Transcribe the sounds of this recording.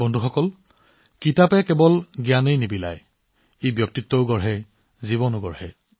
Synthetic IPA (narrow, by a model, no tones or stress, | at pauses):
bɔndʱuxɔkɔl | kitapɛkɛbɔlɡjanejnibila̰j | ejbjɔk̚titːɔʊɡɔɹɦɛ | ziβɔnʊɡɔɹhɛ